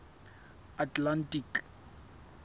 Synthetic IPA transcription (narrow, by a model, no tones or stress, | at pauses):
atlantik